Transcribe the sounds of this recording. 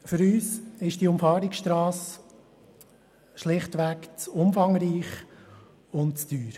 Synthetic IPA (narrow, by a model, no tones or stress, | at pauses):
fʏɾyːsɪʃd̥iʊmfɑːɾɪksʃtɾɑːs | ʃlɪχtʋækt͡sʊmfɑŋɾiːχ | ʊntt͡sd̥yːɾ